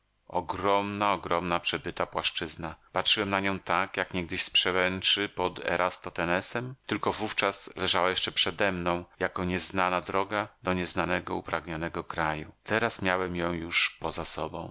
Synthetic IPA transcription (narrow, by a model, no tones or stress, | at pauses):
ɔ̰ɡɾɔmnaɔɡɾɔmnapʂɛbɘt̪apwaʂt͡ʂɘznapatʂɘwɛmnaɲɔ̃w̃t̪akjakɲɛɡ̚d̪ɘɕspʂɛwɛnt͡ʂɘpɔd̪ɛ̰ɾʔast̪ɔt̪ɛnɛsɛmt̪ɘlkɔvuft͡ʂaslɛʐawajɛʂt͡ʂɛpʂɛd̪ɛmnɔ̃w̃jakɔɲɛznanad̪ɾɔɡad̪ɔɲɛznanɛɡɔupɾaɡɲɔnɛɡɔkɾajṵt̪ɛɾasmʲjawɛmjɔ̃w̃juʂpɔzasɔ̰bɔ̰̃w̃